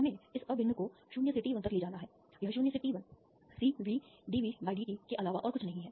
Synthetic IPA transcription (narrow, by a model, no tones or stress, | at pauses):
ɐmẽɪsɐbʱɪ̃nːəkoɦɐʃuːnjəseʈiːʋɐnt̪əɾliːd͡ʒaːnaɦɛː | jɐɦɐʃuːnjəseʈiːʋɐ̃n | siːʋiːɖiːʋibaːɪɖiːikeʔɐlaːʋaʔɔːɾkʊt͡ʃʰnɐɦĩɦɛː